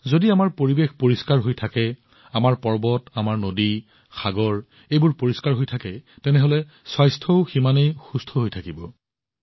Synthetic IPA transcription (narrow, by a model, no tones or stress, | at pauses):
zodiamaɹpoɹibexpoɹiskaɹɦojtʰakɛ | amaɹpɔɹbɔtamaɹnodi | xʰaɡɔɹ | ejbʊɹpoɹiskaɹɦojtʰakɛtɛnɛɦolɛ | swajstʰɔʊximanejxustʰɔɦojtʰakibɔ